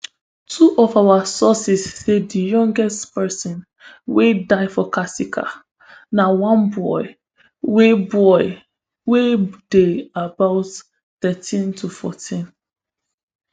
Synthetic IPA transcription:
tʰuʔɔfawasɔsisːedijɔ̃ŋɡɛstpɛsɔ̃n | wedaɪfɔkasikʰa̰ | nawãnbɔɪ | webɔɪ | wed̥eabaʊt | θɛtʰĩntʰufɔtʰĩn

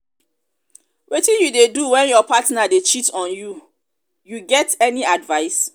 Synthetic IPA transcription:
wʔetĩjudeduwɛ̃njɔpatnadet͡ʃitɔ̃nju | juɡɛtɛniadvaɪs

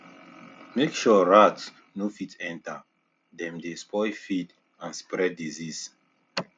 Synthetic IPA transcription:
mekʃuɹats | nofitʰɛ̃nta | dɛ̃mdespʰɔjfit | ãnspɹɛdizis

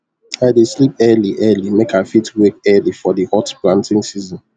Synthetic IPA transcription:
aɪdeslip̚ɛliʔɛlimekafitwek̚ɛlifɔðihɔtplãntɪ̃ŋsizɔ̃n

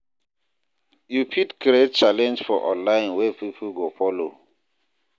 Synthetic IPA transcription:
jupʰitkɾet̚t͡ʃalɛ̃nd͡ʒfɔʔɔ̰̃nlaɪ̃nwɛpipʰuɡofɔlo

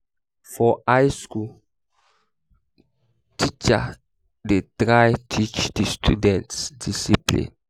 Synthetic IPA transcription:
fɔajsku | tʰit͡ʃa | detɾajtʰit͡ʃdistʰṵdɛ̃ntsdisiplḭ̃n

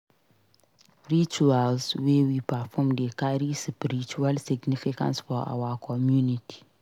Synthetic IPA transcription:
ɹit͡ʃualswewipafɔmdekaɾisipɾit͡ʃualsiɡnifikã̰nsfɔʔa̰wakʰɔmjuniti̥

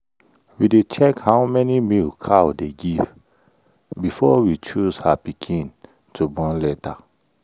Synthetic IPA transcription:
widet͡ʃɛkhawmɛnimilkʰadeɡiv | bifɔwit͡ʃuzhapikʰĩn | tʰubɔ̃nlɛta

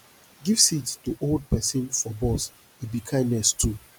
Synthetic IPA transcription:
ɡivsittuʔold̚pʰɛsĩnfɔbɔs | ibikʰãɪ̃ndnɛstʰu

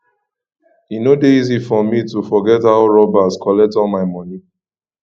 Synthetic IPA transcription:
inodeizifɔmitufɔɡɛthaʊɹɔbaskʰɔlɛk̚tɔlmaɪmɔ̃ni

